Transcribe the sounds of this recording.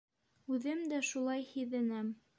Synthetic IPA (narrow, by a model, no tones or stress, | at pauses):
ʉðɘmd̪æʃulˠɑjhiðɘnæm